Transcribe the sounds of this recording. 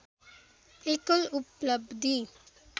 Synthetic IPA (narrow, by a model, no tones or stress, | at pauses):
ekolupləbd̪i